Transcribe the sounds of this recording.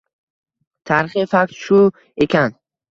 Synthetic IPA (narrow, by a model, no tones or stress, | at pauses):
t̪ʰaɾχifak̚t̪ʃu | ekʲʰan